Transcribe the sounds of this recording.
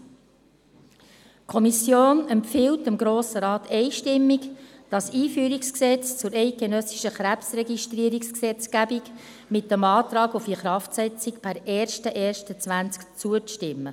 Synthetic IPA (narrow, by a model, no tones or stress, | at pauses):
kʰɔmisjoːnɛmpfɪltɪmɡɾoːsəɾɑːt̪ɛɪʃtɪmːikd̥ɑsiːfyːɾiksksɛt͡st͡sʊɾɛɪt̚ɡ̥enœsiʃəχɾæpsrɛɡiʃtriəɾiksksɛt͡sɡ̥æbik | mɪt̚dɛmɑːtɾɑːɡufiχɾɑftsɛt͡sikpʰæɾɛːɾʃtəʔɛːɾʃtət͡sʋænt͡skt͡suəʃtɪmːə